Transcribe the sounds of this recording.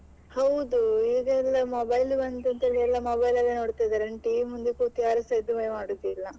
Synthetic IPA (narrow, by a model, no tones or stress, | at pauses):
hɐwd̪uiːɡɐɛlːɐmoːbɐjlbɐnt̪ɐnt̪ɐeɡɛlːɐmoːbɐjlɐlːenoːɽt̪ajd̪aɾɐnʈiːmːund̪ikuːt̪ijaːɾusɐjd̪umɐjemaːɽut̪ːilːɐ